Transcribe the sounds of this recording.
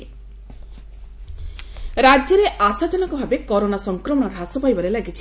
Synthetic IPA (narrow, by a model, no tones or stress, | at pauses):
ɾad͡ʒjɔɾeʔasad͡ʒɔnɔkɔbʱabekɔɾonasɔŋkɾɔmɔɽɔɾɔɦasɔpajbɔɾelaɡit͡ʃʰ